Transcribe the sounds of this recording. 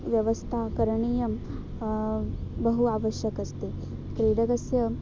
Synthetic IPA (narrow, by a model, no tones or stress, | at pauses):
ʋjɐʋɐst̪ʰaːkɐɾɐɳiːjɐm | bɐɦuaːʋɐʃjɐkɐst̪e | kɾiːɖɐɡɐsjɐ